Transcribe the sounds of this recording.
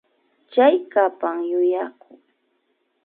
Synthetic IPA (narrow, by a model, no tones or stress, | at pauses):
t͡ʃajkapamjʊjakʰʊŋ